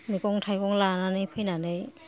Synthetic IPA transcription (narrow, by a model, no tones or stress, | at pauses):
mikɔŋtʰajkɔŋlananɯjpʰɯjnanɯj